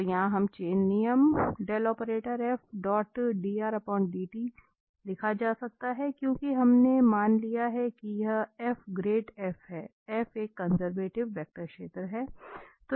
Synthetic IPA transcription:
t̪jɐɦãɦɐmt͡ʃeːnːijəmɖɛːlɔːpəɾeːʈəɾɛːfɖɔːʈɖiːaːɾɐpɔ̃ːɳʈ̚ɖiːʈi | lɪkʰad͡ʒaːsɐk̚t̪aɦɛkjõːkiɦɐmnemaːnlijaɦɛkiɛfɡɾeːʈɛːfɦɛː | ɛːfeːkːɐnzəɾʋeːʈɪʋʋɛk̚ʈəɾkʃeːt̪ɾəɦɛːt̪o

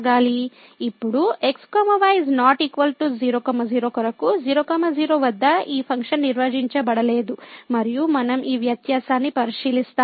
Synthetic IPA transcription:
ɡaːli | ipːuɽue̞kskɔːmɐʋajiznaːʈiːkʋɐlʈuziːɾoːkɐmɐziːɾoːkɐɾɐkuziːɾoːkɐmɐziːɾoːʋɐd̪ːɐiːpʰɐŋkʂɐnːiɾʋɐd͡ʒiɲt͡ʃɐbɐɽɐle̞ːd̪umɐɾijumɐnɐmʔiːʋjɐt̪jaːsaːnːipɐɾiʃiːlist̪aː

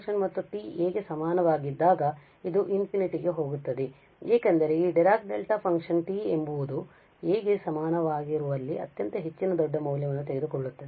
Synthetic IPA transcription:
kʂɐnmɐt̪ːuʈiːeːɡe̞sɐmaːnɐʋaːɡid̪ːaːɡɐ | id̪uʔinpʰiniʈiɡe̞ɦo̞ːɡut̪ːɐd̪e | eːkɐnd̪ɐɾeiɖɛɾaːk̚ɖelʈapʰɐŋkʂɐnʈiːembuʋud̪u | eːɡe̞sɐmaːnɐʋaːɡiɾuʋɐlːiʔɐ̰t̪jɐnt̪ɐɦe̞t͡ʃːinɐd̪ɔɖːɐmɐwljɐʋɐnːut̪eɡe̞d̪ukɔɭːut̪ːɐd̪e

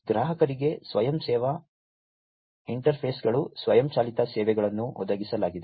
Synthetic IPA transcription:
ɡɾaːɦɐkɐɾiɡesʋɐjɐmsɛːʋɐ | iɳʈɐɾpʰeːsɡɐɭusʋɐjɐmt͡ʃaːlit̪ɐsɛːʋɛɡɐɭɐnːuʔɔ̰d̪ɐɡisɐlaːɡid̪e

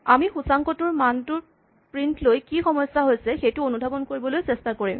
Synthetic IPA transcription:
amixusaŋkɔtʊɹmantʊɹ | pɹintʰlojkixɔmɔjsːaɦojsɛxejtʊonudʱabɔnkoɹibɔlojsɛstakoɹim

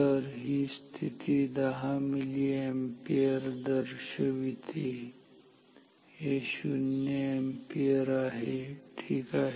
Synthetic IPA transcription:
əɾɦist̪ʰit̪ʰid̪ɐɦãmiliempijəɾd̪ɐəɾʃəʋit̪ʰi | eʃunjəempijəɾaːɦeʈʰiːkaːɦ

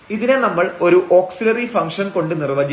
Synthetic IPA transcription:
iðinenɐmːɐɭo̞ɾuʔo̞ːksilɐrifɐŋʂɐnko̞ɳɖɨnirʋɐd͡ʑi

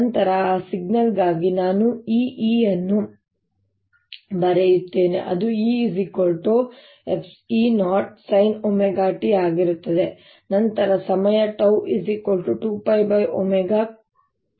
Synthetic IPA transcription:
nɐnt̪ɐɾɐsiɡ̚nɐlɡaːɡinaːnuiːʔiːjɐnːu | bɐɾejut̪ːeːnḛʔɐ̰d̪uiːzikolʈu | epʰsiːnaːʈ̚sɐjnomeɡaːʈiaːɡiɾut̪ːɐd̪e̞ | nɐnt̪ɐɾɐsɐmɐjɐʈɐwʔisikolʈuʈuːpɐjbɐjʔo̰meɡa

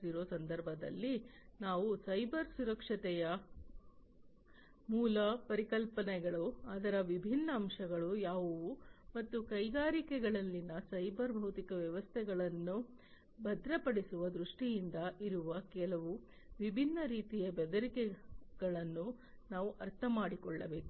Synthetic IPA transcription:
iɾo̞ːsɐnd̪ʱɐɾbʱɐd̪ɐ̰lːinaːʋusɐjbʱɐɾsuɾɐkʂɐt̪ɛjɐ | muːlɐpɐɾikɐlpɐnɛɡɐɭuaːd̪ɐɾɐʋibʱinːɐːmʂɐɡɐɭujaːʋuʋumɐt̪ːukɐjɡaːɾikɛɡɐɭɐlːinɐsɐjbɐɾbʱɐwt̪ikɐʋjɐʋɐst̪ʰɛɡɐɭɐnːu | bʱɐd̪ɾɐpɐɽisuʋɐd̪ɾuʂʈijind̪ɐʔiɾuʋɐkɛlɐʋu | ʋibʱinːɐɾiːt̪ijɐbɛd̪ɐɾikɛɡ̥ɐɭɐnːu | naːʋuʔɐɾt̪ʰɐmaːɽikɔɭːɐʋeːu

